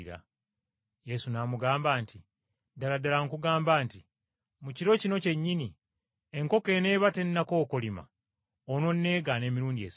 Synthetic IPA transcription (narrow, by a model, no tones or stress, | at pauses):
ɾa̰ | je̞sunamuɡaːmbaːnti | daladalaŋkuɡaːmbaːnti | muciɾo̞cino̞ce̞ɲːini | e̞ŋko̞ke̞ːne̞ːβate̞nːako̞ːkolima̰ | ono̞nːe̞ːɡane̞ːmiɾuːndiḛs